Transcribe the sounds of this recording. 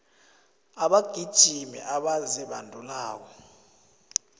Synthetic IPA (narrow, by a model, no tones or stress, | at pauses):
aɓaɡ̥ʱid̥ʒ̥ʱimɛ̰ʔaɓaziɓandʱulaːk̬ɔ